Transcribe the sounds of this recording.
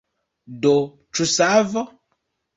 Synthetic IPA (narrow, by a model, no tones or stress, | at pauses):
do | t͡ʃusavɔ